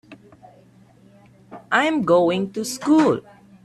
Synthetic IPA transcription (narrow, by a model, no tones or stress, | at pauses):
ʔãj̃mɡoɪ̃ŋtuskul